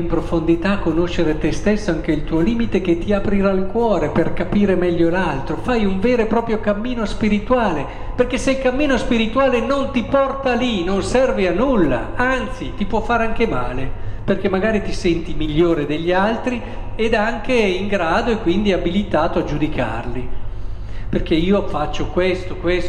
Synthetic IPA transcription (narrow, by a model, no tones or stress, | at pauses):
impɾofond̪it̪akːonoʃːeɾet̪est̪esːoaŋk̟eilt̪uːoliːmit̪ek̟et̪ːiapɾiɾalkwɔːɾeperkapiːɾemɛʎːolalt̪ɾofajuɱveːɾepɾɔːpɾjokamːiːnospiɾit̪uaːle | perk̟esːeilkamːiːnospiɾit̪uaːlenont̪ipɔrt̪alinonsɛrvianːulːa̰ant̪sit̪ipwɔfːaːɾeaŋkemaːleperkemːaɡaːɾit̪isɛnt̪imiʎːoːɾed̪eʎːalt̪ɾi | ed̪aŋk̟eiŋɡɾaːd̪oekːwind̪iabilit̪aːt̪oad͡ʒud̪ika̰rli | perk̟eiːofat͡ʃːokwest̪okwes